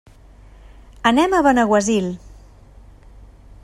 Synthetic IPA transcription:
ənɛməβənəɣwəzil

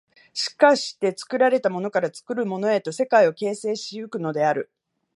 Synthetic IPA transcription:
ɕi̥kaɕi̥t̪e̞t͡sɨ̥kɯ̟ɾaɾe̞t̪amo̞no̞kaɾat͡sɨ̥kɯ̟ɾɯ̟mo̞no̞e̞t̪o̞se̞kaio̞ke̞ːse̞ːɕiɯkɯ̟no̞d̪e̞aɾɯ̟

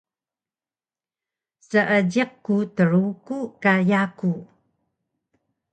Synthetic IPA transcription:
səʔədiq̚kutəɾukukajaku

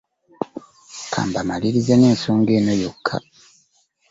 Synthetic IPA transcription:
kʰa̰ːmbamaliɾizeneːnsoːŋɡe̞ːnojo̞kʰːa̰

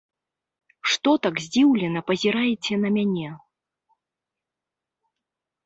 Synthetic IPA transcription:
ʂt̪ɔt̪aɡzʲd͡zʲiwlʲɛnɐpɐzʲiɾajɛt͡sʲɛnɐmʲanʲɛ

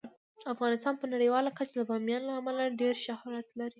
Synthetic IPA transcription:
afɣɑnɪst̪ɑnpənaɽəjwɑlakat͡ʃad̪əbɑmjɑnlaːmalaɖeɾʃahɑɾat̪laɾi

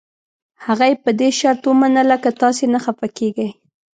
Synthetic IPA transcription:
haɣajepəd̪eʃaɾt̪wəmanəlakat̪ɑs̬enaxafakeɡaj

